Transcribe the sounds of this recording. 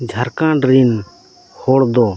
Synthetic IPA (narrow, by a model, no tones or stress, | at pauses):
d͡ʒʱəɾkãɖɾin | hoɽd̪ɔ